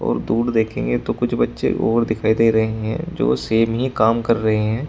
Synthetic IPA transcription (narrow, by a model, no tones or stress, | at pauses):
ɔ̰ːɾd̪uːɽd̪eːkʰẽːŋɡet̪okʊt͡ʃʰbɐtːʃḛʔo̰ːɾd̪ɪkʰaːid̪eːɾɐɦeɦɛ̰̃d͡ʒo̰ːseːmɦikaːmkɐɾːɐɦeɦɛ̃ː